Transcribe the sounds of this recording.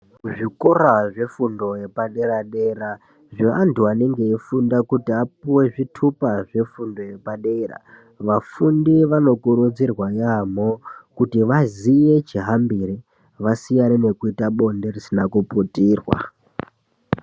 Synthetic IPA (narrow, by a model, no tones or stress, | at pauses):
ʐikoɾaʐe̞fundo̞je̞paɗe̞ɾaɗe̞ɾa | ʐia̰ntuane̞ŋɡe̞ifundakutiapuwe̞ʐitʰupaʐe̞fundo̞je̞paɗeɾa̰ | ʋafundiʋano̞kuɾud͡zirwajamokutiʋazije̞t͡ʃiɦambiɾe | ʋasijanene̞kuitaɓo̞nderisinakuputiːrwa̰